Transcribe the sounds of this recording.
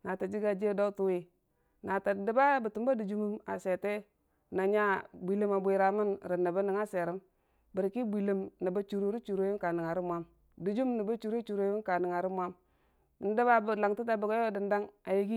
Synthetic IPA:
na˨ta˨d͡ʒi˦ɡa˨d͡ʒi˦do˦u˦tu˦wi˨ | na˨ta˨də˦ba˦bə˨tu˨mba˦du˨d͡ʒu˦mu˦ma̰˨se˨te˦ | na˨ɲa˦bʷi˨lə˦ma˨bʷi˨ɾa˨mi˦nɾə˨nːa˨bə˦ni˨ŋa˦se˨ɾi˦m | bi˨ɾki˦bʷi˨lə˨mni˨ba˦t͡ʃu˨ɾu˦ɾi˦t͡ʃu˨ɾo˨˦ju˦ŋka˨ni˨ŋa˨ɾi˦mʷa˦m | du˨d͡ʒu˦mni˨ba˦t͡ʃu˨ɾi˦t͡ʃu˨ɾo˦ju˦ŋka˨ni˨ŋa˨ɾi˦mwa˦m˨˦ | də˦ba˦bla˨ŋti˦t̬a˨bu˨ɡo˦o˦di˨nda˦ŋa˨ji˦ɡi˦

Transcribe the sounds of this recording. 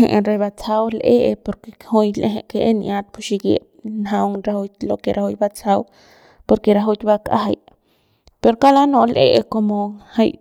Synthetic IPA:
hḛ˨ʔɾe˧ba˧t͡sa˧wlʔe˦ʔe˧po˧ɾke˧khu˧jle˧ɦe˧ʔke˧ʔe˦nʔa˦t̪̚pu˧ʃi˧ɡjḛ˧ | nɦa˧wŋɾa˧hu˧jt̪lo˧ke˧ɾʔa˧hu˧jba˦t͡sa˧w | po˧ɾke˧ɾa˧ɦu˧t̪ba˧ka̰˦ɦa˧j | pe˧ɾoka˦la˦nõ˧lʔḛ˦ʔe˧ko˧mo˧ha˧j

